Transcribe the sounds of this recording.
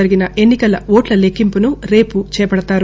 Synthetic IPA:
ɐɾiɡinɐʔe̞nːikɐlɐʋoːʈlɐlekːimpunuɾe̞ːput͡ʃɛːjɐpɐɽɐt̪aːɾ

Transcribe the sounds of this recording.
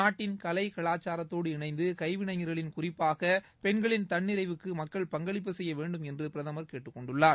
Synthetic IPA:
naːʈːɪnkɐlɐɪkɐɭaːt͡ʃːaːɾɐt̪ːoːɽɯɪɳɐɪnd̪ɯkɐɪʋɪɳɐɪŋɐɾɣɐɭɪnkʊrɪpːaːɣɐ | pɛɳɡɐɭɪnt̪ɐɳːɪɾɐɪʋɯkːɯmɐkːɐɭpɐŋɡɐɭɪp̬ːɯsɛjːɐʋeːɳɖɯmɛndrɯpɪɾɐðɐmɐɾkeːʈːɯkːɔɳɖɯɭːaːɾ

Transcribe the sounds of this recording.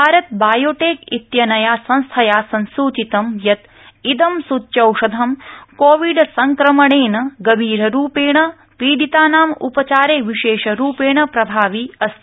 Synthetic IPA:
bʱaːɾɐt̪̚baːjoːʈeːkit̪jɐnɐjaːsɐ̃nst̪ʰɐjaːsɐnsuːt͡ʃit̪ɐmjɐt̪ | id̪ɐmsutːt͡ʃɐwʂɐd̪ʱɐmkoːʋiɖsɐŋkɾɐmɐɳeːnɐɡɐbʱiːɾɐɾuːpeːɳɐ | piːɖit̪aːnaːmupɐt͡ʃaːɾeːʋiʃeːʂɐɾuːpeːɳɐpɾɐbʱaːʋiɐst̪ʰi

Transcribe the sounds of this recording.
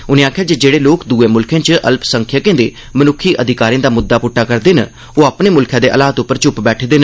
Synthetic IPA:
ʊnẽːaːkʰjaːd͡ʒed͡ʒeːɽeːloːkd̪uːẽːmʊlkʰẽːt͡ʃʔə̰lpsəŋkʰjəkẽːd̪eː | mənʊkʰiːʔəd̪ʱɪkaːɾiãːd̪aːmʊd̪ːaːpʊʈːaːkəɾd̪eːnə̰ | oːaːpneːmʊlkʰjãːd̪eːʔəlaːət̪ʊpːəɾt͡ʃʊpbɛːʈʰd̪eːnə

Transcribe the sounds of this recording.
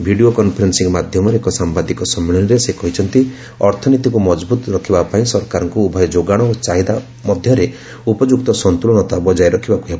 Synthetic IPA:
bʱiɽiokɔnpʰɔɾensiŋmad̪ʱjɔmɔɾeekɔsambad̪ikɔsɔmːeɭɔniɾesekɔɦit͡ʃʰɔnt̪i | ɔɾt̪ʰɔnit̪ikumɔd͡ʒbut̪ɾɔkʰibapaĩsɔɾkaɾɔŋkuːbʱɔjɔd͡ʒoɡaɽ̃ɔot͡ʃaɦid̪a | mɔd̪ʱjɔɾe | upɔd͡ʒukt̪ɔsɔnt̪ulɔnɔt̪abɔd͡ʒajɾɔkʰibakuɦeb

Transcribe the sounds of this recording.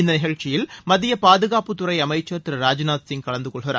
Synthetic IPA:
ɪnd̪ɐnɪɣɐɻt͡ʃːɪjɪlmɐðɪjɐpaːðɯɣaːpɯt̪ʊɾɐɪɐmɐɪt͡ʃːɐɾt̪ɪɾɾaːd͡ʒnaːt̪sɪŋkɐɭɐnd̪ɯkɔɭɣɪɾa̰ːɾ

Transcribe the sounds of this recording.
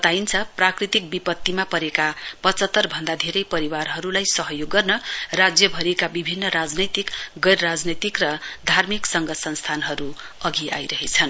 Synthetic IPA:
ʌt̪aint͡sʰʌprakrit̪ik̚bipʌt̪ːimapʌɾekapʌt͡sʌt̪ːʌrbʱʌnd̪ad̪ʱeɾʌjpʌɾiwaɾɦʌɾulajsʌɦʌjoɡːʌrnʌrad͡zjʌbʱʌɾikabibʱinːʌɾad͡znʌjt̪ikɡʌjrɾad͡znʌt̪ikrʌd̪ʱarmiksʌŋɡʌsʌnst̪ʰanɦʌɾu | ʌɡia̰jɾʌɦet͡sʰʌn

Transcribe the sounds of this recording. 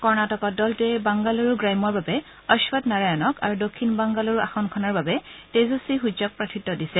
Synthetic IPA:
kɔɹnatɔkɔdɔltʊɛbaŋɡaloɹuɡɹajmɔɹbabɛ | ɔʃwɔtnaɹajɔnɔka̰ɹudokʰːinbaŋɡaloɹuʔa̰xɔnkʰɔnaɹbabɛtezosiɦud͡ʒɔk̚pɹatʰitːɔdisɛ

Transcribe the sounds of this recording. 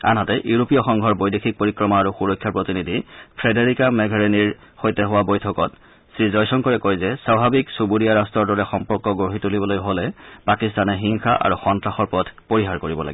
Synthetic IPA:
a̰nɦatɛʔjuɹopijɔxɔŋɡʱɔɹbojdexʰik̚poɹikɹɔmaaɹuxuɹɔkʰːjapɹotinidʱipʰɹɛdeɹikamɛɡʱaɹeniɹ | xojtɛɦʊwabojtʰɔkɔt | sɹizɔjsɔŋkɔɹɛkojzɛsɹabʱabiksubudiaɹastɹɔɹdɔɹɛxɔmpɔɹkɔɡoɦitulibɔlojɦolɛpakistanɛɦiŋxa̰ʔa̰ɹuxɔntɹaxɔɹpɔdʰpoɹiɦaɹkoɹibɔla̰ɡi

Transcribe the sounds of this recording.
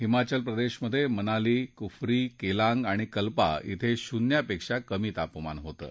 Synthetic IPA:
ɦimat͡ɕəlpɾəd̪eɕməd̪ʱːjemənalikufɾikelaŋɡaɽ̃ikəlpa̰ḭt̪ʰeɕunjapekʂakəmiːt̪apma̰nɦot̪ə̰ː

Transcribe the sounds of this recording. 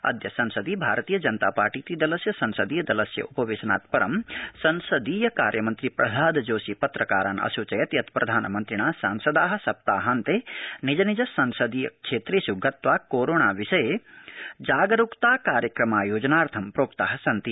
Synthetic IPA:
ɐ̰d̪jɐsɐnsɐd̪ibʱaːɾɐt̪iːjɐd͡ʒɐnt̪aːpaːɾʈiːt̪id̪ɐlɐsjɐsɐnsɐd̪iːjɐd̪ɐlɐsjɐ̰ʔupɐʋeːsɐna̰ːt̪pɐɾɐmsɐnsɐd̪iːjɐkaːɾjɐmɐnt̪ɾipɾɐsaːd̪d͡ʒoːsipɐt̪ɾɐkaːɾa̰ːnɐ̰sut͡ʃɐjɐt̪jɐt̪pɾɐd̪ʱaːnɐmɐnt̪ɾiɳ̃aːsaːnsɐd̪aːɦɐ̆sɐp̚t̪aːɦɐnt̪enid͡ʒɐnid͡ʒɐsɐnsɐd̪ijɐ̰kʃʰeːt̪ɾeːsjuɡʱɐt̪ʋaːkoːɾoːɳaːʋiʃɐje | d͡ʒaːɡɐɾukt̪aːkaːɾjɐkɾɐmaːjoːd͡ʒɐnaːɾt̪ʰɐmpɾoːpt̪aːɦɐsɐnt̪i

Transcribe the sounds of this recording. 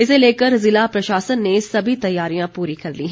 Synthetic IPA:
ɪseleːkəɾzɪlapɾɐʃaːsənːesɐbʱit̪ɐjːaːɾijãpuːɾikɐɾliːɦɛ̃

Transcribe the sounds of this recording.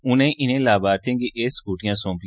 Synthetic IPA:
ʊnẽʔɪnẽːlaːbaːt̪ʰẽːɡeʔeːsɡuːʈijãsõːmp

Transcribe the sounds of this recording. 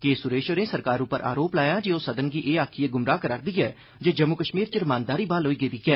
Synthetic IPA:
keːsʊɾeːʃonẽːsəɾkaːɾʊpːəɾʔa̰ːɾoːplaːjaːd͡ʒeːoːsəd̪ənɡiːʔeːaːkʰieːɡʊmɾaːkəɾaːɾd̪iːɛː | d͡ʒeːd͡ʒəmːʊkəʃmiːɾt͡ʃəɾmaːnd̪aːɾiːbaːlɦoːiːɡeːd̪iːɡɛː

